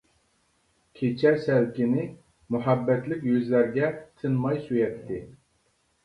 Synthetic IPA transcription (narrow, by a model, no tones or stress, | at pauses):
kʲʰet͡ʃʰɛsɛlkʲinɪ | muɦɑbːɛt̪lɪkʲjøzlæɾɡʲɛt̪ʰɨnmɑjsyjɛt̪ʰːɪ